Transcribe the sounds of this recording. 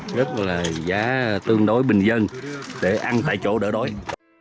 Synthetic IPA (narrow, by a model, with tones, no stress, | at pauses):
zə˦˥t̚laː˨˩zaː˨˦t̪ɨ˧əŋɗo˨˦jɓï˨˩ŋ̟zə˧nɗe˧˩ʔa˧nt̪ʰa̰ː˧˩jt͡ɕo˧˩ɗəː˧˩ɗo˨˦j